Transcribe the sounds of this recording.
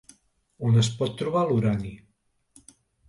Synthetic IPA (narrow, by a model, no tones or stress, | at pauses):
onəs̬pɔt̪ːɾuβaluɾani